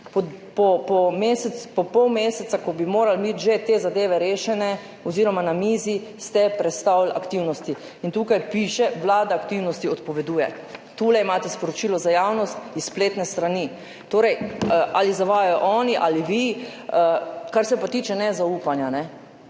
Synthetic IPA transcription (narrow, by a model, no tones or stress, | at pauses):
pɔpɔpɔmeːsɛpɔpɔwmeːsɛt̪sakɔbimoːɾalbit̪ʒet̪eːzad̪eːʋɛɾeːʃɛnɛ | ɔziːɾɔmanamiːzist̪ɛpɾɛt̪st̪awla̰kt̪iwnɔst̪i | int̪uːkajpiːʃɛʋlaːd̪aːkt̪iwnɔst̪iɔt̪pɔʋɛd̪uːjɛ | t̪uːlɛimaːt̪ɛspɔɾɔt͡ʃiːlɔzajaːwnɔst̪isspleːt̪nɛst̪ɾaniː | t̪oːɾɛjʔalizaʋaːjajɔʔɔːniʔaliʋi | əkaɾsɛpat̪iːt͡ʃɛnɛzauːpanjanɛ